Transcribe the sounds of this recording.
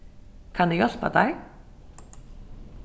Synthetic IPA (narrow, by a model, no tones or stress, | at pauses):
kʰɑnd̪ʉːjɔlpa̰d̪æɪ